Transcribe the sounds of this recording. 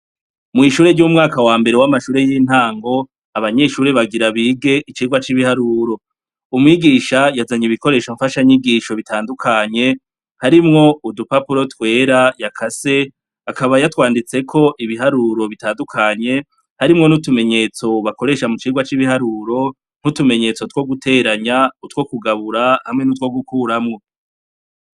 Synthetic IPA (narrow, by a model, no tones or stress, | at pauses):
mŋiʃuːɾe̞ɾɟumŋaːkawaːmbe̞ɾewamaʃuːɾe̞jiːn̥haːŋɡo̞ | aβaɲe̞ʃuːɾe̞βaɡiɾaβiɡe̞ʔit͡ʃiːɡwat͡ʃiβihaɾuːɾo̞ | umŋiɡiːʃajazaɲiβiko̞ɾe̞ːʃoɱfaʃaɲiɡiːʃo̞βitʰaːndukʰaɲe̞ | haɾimŋo̞udupapuɾo̞twe̞ːɾajakʰase̞ | akaβajatwaːndit͡se̞kʰo̞ʔiβiɦaɾuɾo̞βitaːndukʰaɲe̞ | haɾimŋo̞nutume̞ɲe̞t͡so̞βako̞ɾe̞ʃamut͡ʃiːɡwat͡ʃiβihaɾuːɾo̞ | n̥hutume̞ɲe̞t͡so̞two̞ɡutʰe̞ːɾaɲautwo̞kuɡaβuɾahamŋe̞nut̬wo̞ɡukuːɾamŋo̞